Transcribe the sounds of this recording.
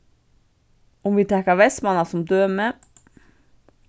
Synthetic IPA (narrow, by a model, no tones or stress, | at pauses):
ʊmʋiːt̪ʰɛkːəʋɛst̪mɑnɑsɔmd̪øːmə